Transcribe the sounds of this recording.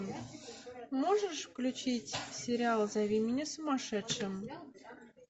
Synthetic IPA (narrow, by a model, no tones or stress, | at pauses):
m | moʐə̆ʂfklʲut͡ɕitʲsʲeɾʲiɑlˠzɑβʲimʲinʲĕsŭmɑʂɘ̆t̪ʂɘ̆m